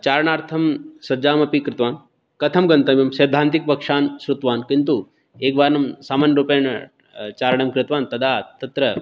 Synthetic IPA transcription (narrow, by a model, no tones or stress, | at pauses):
t͡ʃaːɾɐɳaːɾt̪ʰɐmsɐd͡ʒaːmɐpikɾɪt̪ʋaːn | kɐt̪ʰɐmɡɐnt̪ɐmjɐmseːd̪ʱaːnt̪ik̚pɐkʂaːnʃɾut̪ʋaːnkint̪u | eːkʋaːɾnɐmsaːmaːnjɐɾuːpeːɳɐ | t͡ʃaːɾɐɳɐmkɾɪt̪ʋaːnt̪ɐd̪aːt̪ɐt̪ɾɐ